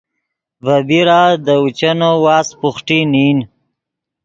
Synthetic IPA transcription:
vabiɾad̪əut͡ʃanowɑːspʊχʈinin

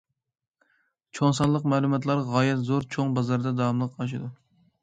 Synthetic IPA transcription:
t͡ʃʰoŋsɑnlˠəqmæːlˠumɑt̪̬lˠɑɾʁɑːjɛt̪zoɾt͡ʃʰoŋbɑzɑɾd̪ɛd̪ɑmlˠəqːɑʃ̬ɨd̪u

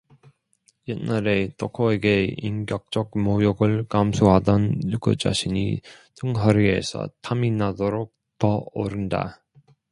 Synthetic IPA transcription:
jenːaɾe̞t͈ʰokʰoe̞ɡe̞inɡjʌk̚t͡ɕ͈ʌk̚mojoɡɯɭkamsʰoɦadʌnjuɡɯd͡ʑa̰ɕʰiɲḭtɯŋɦʌɾie̞̰sʰʌ̰tʰaminadoɾok̚ | tʌo̰ɾɯnda̰

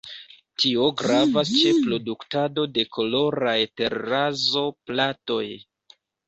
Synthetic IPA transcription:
tʰio̞ɡɾavast͡ʃe̞pɾo̞duktado̞de̞kʰo̞lo̞ɾajte̞ɾːazo̞plato̞j

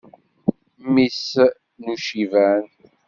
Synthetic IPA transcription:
mis | nuʃivæn

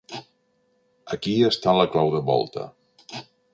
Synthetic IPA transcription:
əkiəst̪aləklawðəβɔ̰lˠt̪ə̰

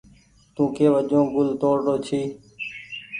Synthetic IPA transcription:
t̪ũːkʰeːʋəd͡ʒõːɡʊlt̪oːɾɖoːt͡ʃʰiː

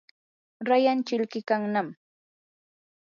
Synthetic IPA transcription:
ɾajant͡ʃɪʎkɪkaŋnam

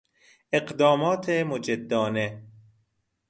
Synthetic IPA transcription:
eɢd̪ɒːmɒːt̪ʰemod͡ʒed̪ːɒːne

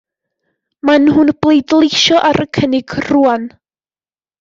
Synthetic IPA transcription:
manɦunb̥lˠejdlˠejʃɔʔaɾʔəkʰənɪɡ̥ruːan

